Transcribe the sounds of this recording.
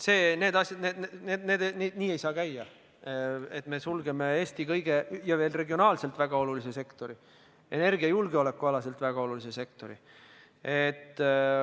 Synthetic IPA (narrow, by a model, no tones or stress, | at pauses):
seːne̞ːd̪̥ɑsʲjɑd̪neːd̪nneːd̪ne̞ːd̪ened̪̥niːe̞jsɑːkæjːɑ | et̪ːˑme̞sulɡe̞me̞eːst̪ikɤjɡ̥e̞jɑve̞ːlre̞ɡio̞nɑːlse̞lt̪væɡ̥ɑo̞lulise̞se̞kt̪o̞ɾi | ʔe̞ne̞rɡiɑjulɡeo̞le̞kːˑuɑlɑse̞lt̪ˑvæɡ̥ɑo̞lulise̞se̞kt̪o̞ɾḭ | et̪ː